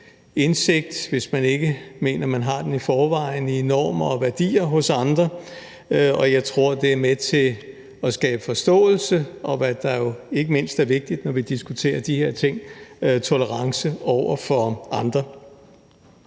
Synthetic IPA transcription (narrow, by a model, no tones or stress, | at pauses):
e̝nse̝ɡ̥̚d̥ʋe̝smæne̝ɡ̥əme̝̰ːnɐmænɦɑ̈d̥enifɒːʋɑ̈ɪninɒ̰ːmɐɒ̽ʋæɐd̥ḭːɐɦɔ̽sɑ̈nd̥ʁɐ | ɒ̽jɑ̈ɪt͡sʰʁo̝ɐ̰d̥e̝æɐmet͡sʰe̝ | ɒ̽sɡ̥ɛːb̥əfɒ̽sd̥ɔ̰̽ːl̩səʔɒ̽ʋæd̥ɑ̈jo̝e̝ɡ̥əme̝n̰sd̥æɐʋe̝ɡ̥̚d̥id̥nɒʋid̥isɡ̥ut͡sʰe̝̰ːɐd̥ihe̝ɐ̰t͡sʰe̝ŋ̰t͡sʰo̝ləʁɑ̈ŋsəɒʊ̰ɐfɒ̽ɑ̈nd̥ʁɐ